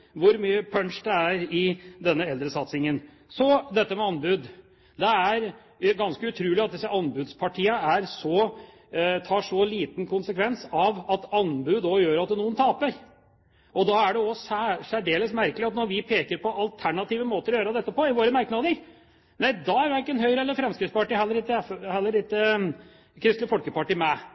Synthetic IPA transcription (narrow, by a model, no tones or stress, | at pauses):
ʋʊɾmyːəpʰœɳʂd̪ɛæɾɪd̪ɛnːəɛld̪ɾəsɑt̪sɪŋən | sɔd̪ɛt̪ːəmɛɑnbʉd̪ | d̪ɛæɾ | ɡɑnskəʉt̪ʰɾʉːlɪɑt̪̚d̪ɪsəʔɑnbʉd̪spʰɑʈʰiːəæɾsɔ | t̪ʰɑːʂɔliːt̪nkʰʊnsəkʰʋɛnsɑʋɑt̪ɑnbʉːd̪ɔjøːɾɑt̪̚d̪ɛnuːənt̪ʰɑːpəɾ | ʔɔd̪ɑæɖɛɔsæʂæɖeːləsmæɾkəlɪɑt̪nɔɾʋɪpʰeːkəɾpʰɔʔɑlt̪ʰæɳɑt̪iːʋəmoːt̪əɾɔjøːɾəd̪ɛt̪ːəpɔɪʋoːɾəmæɾknɑːd̪əɾ | næɪd̪ɑæɾʋæɪkːəɛnɦœʏɾəɛlːəɾfɾɛmskɾɪt̪spɑʈiːɦɛlːəɾɪt̪ːəhɛlːəɾɪt̪ːə | kʰɾɪst̪lɪfɔlkəpɑʈiːmæ